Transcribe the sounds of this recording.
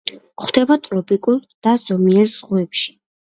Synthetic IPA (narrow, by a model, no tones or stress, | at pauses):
χwd̪̥ɛbat̪ʼɾɔpʼikʼulˠd̪̥az̥ɔmiɛɾz̥ʁuɛpʃi̥